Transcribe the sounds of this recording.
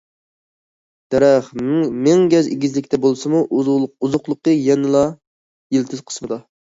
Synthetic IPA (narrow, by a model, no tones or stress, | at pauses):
d̪̥ɛɾɛχmɪŋɡʲɛzɪ̰ɡʲizlɪkʲt̪ʰɛbolˠsɨmuuzʊχlˠʊqːəjɛnɨlˠɑ | jɪlt̪ʰɪz̥qʰə̥smɨd̪ɑ